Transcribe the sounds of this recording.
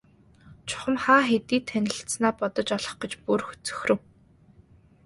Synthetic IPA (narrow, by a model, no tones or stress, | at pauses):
t͡ɕʰʊ̥χə̆mχaːxet̪iːt̪ʰːænʲɪ̆ɬt̪snaːpɔt̪ɞ̆t͡ɕɔɮɞ̆χɡə̆t͡ɕpurxɵ̥t͡sɵ̥xrɘ̆w